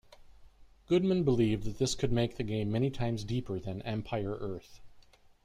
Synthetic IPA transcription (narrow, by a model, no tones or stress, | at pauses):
ɡ̥ʊd̚mɨ̃nbəlivðɨt̪̚ðɪskʰɨd̚meɪk̚ðɨɡẽɪ̃mːɛñitʰãɪ̃mzdipʰə˞ðɨ̃nɛ̃mpʰaɪə˞ʔɜ˞θ